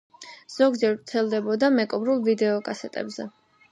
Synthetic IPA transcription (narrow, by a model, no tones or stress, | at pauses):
z̥ɔɡd͡ʒɛɾvt̪sʰɛlˠd̪ɛbɔd̪amɛkʼɔbɾulˠvid̪ɛɔkʼasɛt̪ʼɛ̰bzɛ